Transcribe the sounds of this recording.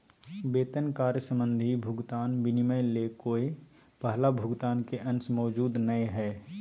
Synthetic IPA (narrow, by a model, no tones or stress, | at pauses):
beːt̪ənkaːɾjəsə̃mbə̃nd̪ʱibʱʊɡt̪aːnbɪnɪməɪlekoːe | pəɦlabʱʊɡt̪aːnkeʔɐ̃nsmɔːd͡ʒuːd̪nəeɦɛː